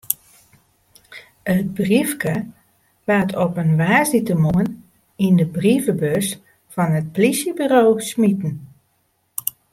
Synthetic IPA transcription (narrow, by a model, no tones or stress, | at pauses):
ət̚brifkə | ʋatʰɔpənʋaːsitəmuən | indəbrivəbøs | fɔnət̚plisjəbyɾoːsmitn̩